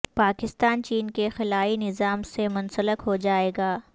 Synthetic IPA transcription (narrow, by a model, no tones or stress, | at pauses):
paːkɪst̪aːnt͡ʃiːnkexɪlaːinɪzaːmsemʊnsələkɦod͡ʒaːeːɡaː